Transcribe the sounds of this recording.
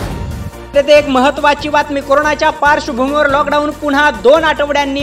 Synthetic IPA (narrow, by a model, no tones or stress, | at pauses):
ɾet̪eekməɦət̪ːʋat͡ɕiːʋat̪miːkoɾoɳat͡ɕjapaɾɕəbʱumiʋəɾlɔkɖauːnpuɽ̤ɦad̪onaʈəʋɽjanːiː